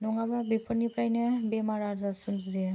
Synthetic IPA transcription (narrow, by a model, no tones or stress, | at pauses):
nɔŋababepʰɔnipɾajnɛbemaɾaɾzasɯnzi